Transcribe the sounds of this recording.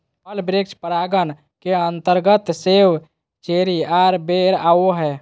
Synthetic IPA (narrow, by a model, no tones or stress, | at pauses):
pəlbɾekt͡ʃpɾaɡən | keənt̪əɾɡət̪sew | t͡ʃeɾiaɾbeɾaoɦɛ